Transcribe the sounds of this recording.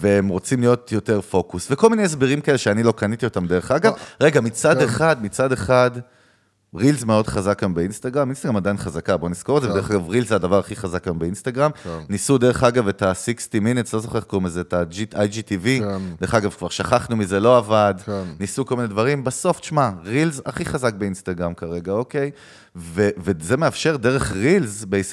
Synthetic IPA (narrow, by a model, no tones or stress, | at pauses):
veemʁo̞t͡simlijo̞tjo̞t̪e̞ʁfo̞kusveko̞lmineesbeʁimkaeleʃeanilo̞kanit̪io̞tamd̪e̞ʁeχaɡavʁe̞ɡamit͡sadeχad̪mit͡sade̞χad | ʁilzme̞o̞dχazakjambeinst̪aɡʁaminst̪aɡʁamad̪ajinχazakabo̞niskoedzevdeeχaɡavʁilzadavaʁaχiχazakambeinst̪aɡʁamnisud̪e̞ʁe̞χaɡavetasikstiminutslo̞zoχeχkumezetad͡ʒiajd͡ʒitivid̪eʁeχaɡavkvaʁʃaχaχnumize̞lo̞avadnisukolmined̪vaʁimbaso̞fʃmaʁilza̰χiχazak̚beinst̪aɡʁamkaʁe̞ɡao̞kej | veveze̞me̞afʃe̞ʁde̞ʁe̞χʁilzbeis